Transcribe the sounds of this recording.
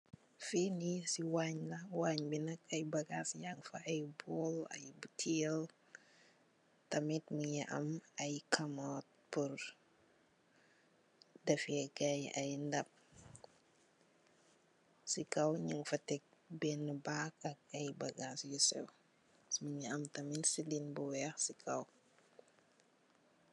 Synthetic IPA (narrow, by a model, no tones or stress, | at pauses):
finisiwaɲlɐwaːɲbinɐkɐjbɐɡasjŋfaʔajbolɐ̰jbutʰil | tɐmitmujaʔɐ̰mɐjkʰɐmɔt̚puɾ | dɐfɛɡajɐ̰jndɐp̚ | sikɐwɲiŋfɐtɛk̚bɛnːəbaːkɐk̚ɐjbɐɡasjusɛ̰w | smuɲiɐmtɐminsilinbuwɛːxsikʰɐw